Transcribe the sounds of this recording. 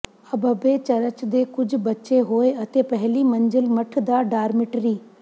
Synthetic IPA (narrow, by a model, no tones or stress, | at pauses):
ɐbəbet͡ʃɐɾət͡ʃd̪eːkʊd͡ʒʱbɐtːʃeɦoːeɐt̪eːpɛɦlimɐ̃ɲd͡ʒəlmɐʈʰd̪aːɖaːɾmɪʈɾiː